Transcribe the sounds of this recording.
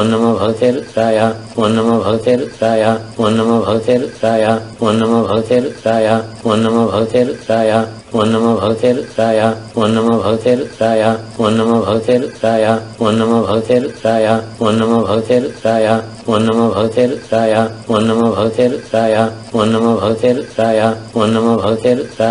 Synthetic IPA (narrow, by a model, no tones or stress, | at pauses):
onːɐmɐbʱɐɡt̪eɾt̪ɾaːja | onːɐmɐbʱɐɡt̪eɾt̪ɾaːjanːɐmɐbʱɐɡt̪eɾt̪ɾaːjaonːɐmɐbʱɐɡt̪eɾt̪ɾaːjaonːɐmɐbʱɐɡt̪eɾt̪ɾaːja | ʋonːɐmɐbʱɐɡt̪eɾt̪ɾaːjaonːɐmɐbʱɐɡt̪eɾt̪ɾaːjaonːɐmɐbʱɐɡt̪ʰeɾt̪ɾaːjaonːɐmɐbʱɐɡt̪eɾt̪ɾaːjaonːɐmɐbʱɐɡt̪eɾt̪ɾaːja | onːɐmɐbʱɐɡt̪ʰeɾt̪ɾaːjaonːɐmɐbʱɐɡt̪ʰeɾt̪ɾaːja | onːɐmɐbʱɐɡt̪eɾɾaːjaonːɐmɐbʱɐɡt̪ʰeɾt̪a